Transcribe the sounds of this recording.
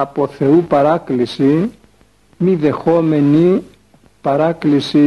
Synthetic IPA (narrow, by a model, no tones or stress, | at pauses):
ɐpo̞θe̞upɐɾɐklisi | miðe̞xo̞me̞ni | pɐɾɐklisi